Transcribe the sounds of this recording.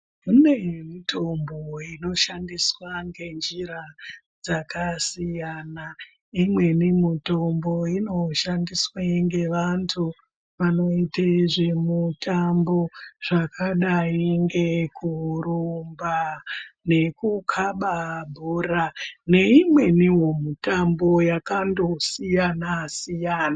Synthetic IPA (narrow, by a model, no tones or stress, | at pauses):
une̞mitʰo̞mboino̞ʃandiswaŋɡe̞nd͡ʒiɾa | d͡zakasijana | imwe̞nimuto̞mbo̞ino̞ʃandiswaiŋɡe̞ʋantʰu | ʋano̞iteʐemutambo̞ʐ̥akʰaɗaiŋɡe̞kʰuɾumbane̞kukʰaɓabʱurane̞imwe̞niwomutambo̞jakando̞sijanasijaːna